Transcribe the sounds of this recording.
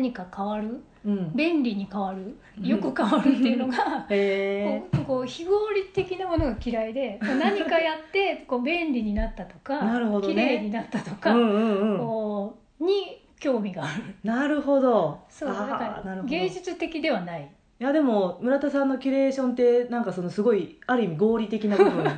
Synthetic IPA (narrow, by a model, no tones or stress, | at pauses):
aɲ̟ikakaβaɾɯ̟ | ɯ̟̃ɴbẽ̞nɾʲiɲ̟ikaβaɾɯ̟ | jo̞kɯ̟kaβaɾɯ̟t̪ːe̞iɯ̟no̞ɡaeoko̞ːçiɡo̞ːɾʲit̪e̞kʲinamo̞no̞ɡakʲiɾaid̪e̞monaɲ̟ikajat̪ːe̞ko̞ːbẽ̞nɾʲiɲ̟inat̪ːat̪o̞kanaɾɯ̟hod̪oiɾeːɲ̟inat̪ːat̪o̞kaɯ̃ɯ̟̃ɯ̟̃ɴkoː | ɲ̟i | kʲo̞ːmʲiɡaːɾɯnaɾɯ̟ho̞d̪o̞soːad̪akaɾnaɾɯ̟hoɡẽ̞ːʑɨt͡sɨt̪e̞kʲid̪e̞βanai | jad̪e̞mo̞mɯ̟ɾat̪asãnːo̞kʲiɾe̞ːɕõ̞nt̪e̞nãŋkaso̞no̞sɨɡo̞iaɾɯ̟imʲiɡo̞ːɾʲit̪e̞kʲinabɯbɯ̟̃